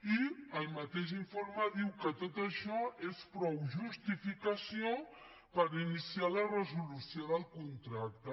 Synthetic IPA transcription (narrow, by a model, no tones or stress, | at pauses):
iəlˠmət̪eʒiɱfoɾməðiwkət̪ot̪əʃɔespɾɔwʒust̪ifikəsijo | pəɾinisialərəzulusioðəlˠkunt̪ɾak̚t̪ə